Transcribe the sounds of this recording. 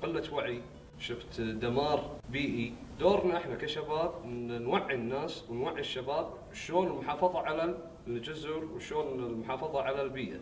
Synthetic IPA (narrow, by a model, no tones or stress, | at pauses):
qɪlːat̪waʕi | ʃɪft̪d̪amɑːɾbiːʔid̪oːɾnaʔɪħnakaʃabaːb̚nwaʕːinːaːswɪnwaʕːiʃːabaːb̚ | ʃloːnɪlmʊħɑːfɑðˤɑʕala | ld͡ʒʊzʊɾwʃoːnɪlmʊħɑːfɑðˤɑʕalalbiːʔa̰